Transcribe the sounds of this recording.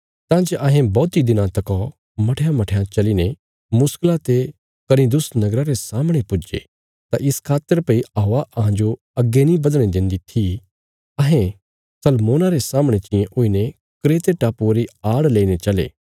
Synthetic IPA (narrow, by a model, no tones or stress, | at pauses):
t̪ãːd͡ʒeʔɐɦɛ̃bɔːt̪id̪ɪnãt̪ɐkɔ | mɐʈʰejãmɐʈʰːjãt͡ʃɐline | mʊsklat̪e | kɐɾid̪ʊsnɐɡɾaɾesaːməɽ̃epʊd͡ʒḛ | t̪aʔɪskʰaːt̪ːəɾpɐiɐɦoːaʔɐɦãd͡ʒo | ɐɡːenĩbɐd̪ɽ̃ĩd̪ɪ̃nd̪it̪ʰi | ɐɦɛ̃ | sɐlmoːnaɾesaːməɽ̃et͡ʃɪ̃jẽʔʊine | kɾeːt̪eʈaːpuɾiaːɽleːinet͡ʃɐlḛː